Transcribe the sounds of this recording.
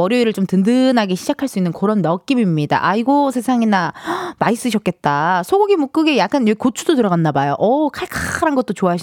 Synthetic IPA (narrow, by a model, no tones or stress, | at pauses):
ʌɾjʌiɾɯɭt͡ɕomtɯndɯnaɡeɕʰid͡ʑakʰaɭs͈uinːɯnkoɾʌnːʌk̚k͈imimɲida̰ʔaiɡosʰe̞sʰaŋinamais͈ɯɕʰʌk͈̚e̞t̚t͈asʰoɡuɡimuk͈ɯɡejak͈anekot͡ɕʰudotɯɾʌɣanːabajoʔʌkʰaɭkʰaɾanɡʌt̚t͈ot͡ɕoaɕʰ